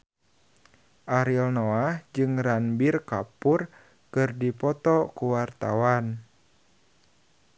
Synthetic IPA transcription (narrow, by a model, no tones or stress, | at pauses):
ʔaɾilnoahd͡ʒɨŋɾanbirkapur | kɨrdipɔt̪ɔkuwart̪awan